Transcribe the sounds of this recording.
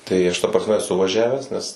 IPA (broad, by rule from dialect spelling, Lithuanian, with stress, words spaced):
tɐɪ ˈɐʃ tɐ prɐsʲˈmʲɛ ɛˈsʊ ʋɐˈʒʲæːʋʲæːs nʲɛs